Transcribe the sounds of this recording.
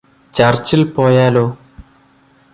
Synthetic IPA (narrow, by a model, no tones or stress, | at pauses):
t͡ɕɐrt͡ɕilpo̞ːjaːloː